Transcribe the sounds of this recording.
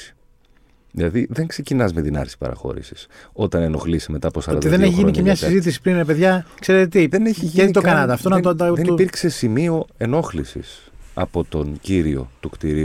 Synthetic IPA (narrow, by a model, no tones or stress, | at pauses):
ðilɐðiðe̞ŋkse̞cinɐzmet̪inɐ̰ɾi̥pɐ̰ɾɐ̰xo̞̰ɾḭsi̥so̞t̪ɐne̞no̞xlisime̞t̪ɐːposɐɾoɐnt̪d̪iɐðeeçiʝiniɲcemɲɐsizit̪̬is̬i̥pɾinmepe̞ðʝɐkse̞ɾet̪et̪iðeneçiʝieit̪okɐnɐd̪ɐft̪onɐt̪od̪ɐnipiɾkse̞simio̞e̞no̞xlisḭs | ɐ̰po̞t̪o̞nɟiɾio̰t̪ukt̪iɾi